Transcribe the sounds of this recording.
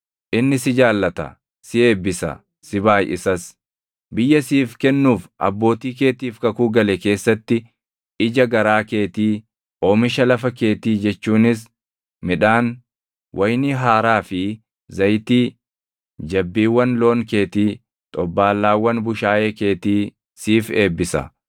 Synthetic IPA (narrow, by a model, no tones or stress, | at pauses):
ʔɪnːɪsɪd͡ʒaːlːɐt̪ɐ̰ | sɪe̞ːbːɪsɐ̰ | sɪbaːjʔɪsɐs | bɪjːɐsiːfkɛnːuːfʔɐ̰bːo̞ːt̪iːk̬e̞ːt̪iːfkɐkuːɡɐlɛke̞ːsːɐt̪ːɪ | ɪd͡ʒɐɡɐɾaːke̞ːt̪iː | ʔoːmɪʃɐlɐfɐke̞ːt̪iːd͡ʒɛt͡ʃːuːnɪs̬ | mɪᶑaːn | wʔɐjniɦaːɾaːfɪ | zɐjt̪iː | d͡ʒɐbːiːwːɐnlo̞ːŋke̞ːt̪iː | t̪ʼɔbːaːlːaːwːɐnbʊʃaːjeːke̞ːt̪iː | siːfeːbːɪsɐ̰